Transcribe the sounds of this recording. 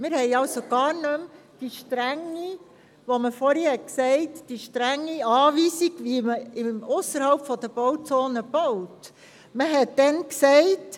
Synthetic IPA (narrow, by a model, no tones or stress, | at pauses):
mɪɾhɛɪɑwsoɡ̥ɑːɾnøm | d̥iʃtɾæŋːi | ʋoməfɔɾhihɛtksɛɪtd̥iʃtɾæŋːiɑːʋiːsiɡ̥ʋiməɪmʊsəɾhɑwpfɔd̥̪əb̥ɔwt͡soːnəb̥ɔwt | məɦɛt̚d̥ɛnksɛɪt